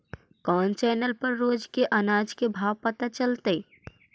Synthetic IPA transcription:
kɔːnt͡ʃɛːnəlpəɾːoːd͡ʒkeʔənaːd͡ʒkebʱaːʋpət̪at͡ʃəlt̪ə

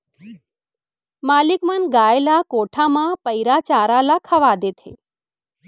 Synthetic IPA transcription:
malikmənɡaelakoʈʰamãpəjɾat͡ʃaɾalakʰəʋad̪et̪ʰḛ

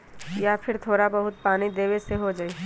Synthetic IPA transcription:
japʰɪɾt̪ʰoːɾabɐɦʊt̪̚paːnid̪eːweseɦod͡ʒaːiː

